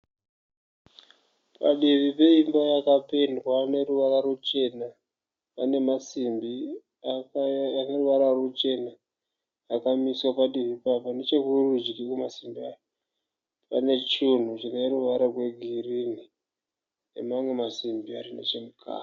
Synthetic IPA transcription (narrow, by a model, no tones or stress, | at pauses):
pa̰ɗiʋipe̞imbajakape̞ndwane̞ruʋaraɾut͡ʃe̞na | pane̞masimbi | ane̞ruʋaɾarut͡ʃe̞na | jakamiswapaɗiβipapanet͡ʃekurud͡ʒikikumasimbiajo | pane̞t͡ʃun̤ut͡ʃine̞ɾuʋaɾarwe̞ɡʱirini | ḛmamwe̞masimbiarinḛt͡ʃe̞mukʰa̰ː